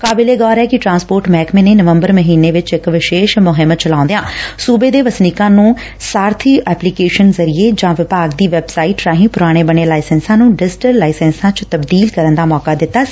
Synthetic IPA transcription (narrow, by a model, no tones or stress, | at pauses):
kaːbɪleːɡɔːɾɛːkɪʈɾãːnspoːɾʈmɛːkmẽːneːnəʋəmbəɾməɦiːneːʋɪt͡ʃɪkʋɪʃeːʃmʊɦɪmːət̪t͡ʃəlaːʊ̃nd̪ejãːsuːbeːd̪eːʋəsniːkãːnũː | saːɾt̪ʰiːɛːplikeːʃənzəɾijeːd͡ʒãːʋɪpaːɡd̪iːʋɛbsaːiːʈɾaːɦĩːpʊɾaːɽ̃eːbəɳeːlaːɪsɛnsãːnũːɖɪzʈəɾlaːɪsɛ̃ːnsãːt͡ʃt̪əbd̪iːlkəɾənd̪aːmɔːkaːd̪ɪt̪ːaː